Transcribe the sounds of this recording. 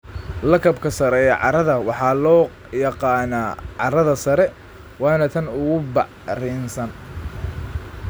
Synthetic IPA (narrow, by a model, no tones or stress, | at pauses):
lɐkʰɐbkʰɐsɐɾɛɛʕɑ̰ɾɐðɐwɑħɑːlɔː | jɑqɑːnaːʕɑɾɐðɐsɐɾɛ | wɑːnɐt̪ʰɐnʊɣʊbɑʕ | riːnsɐn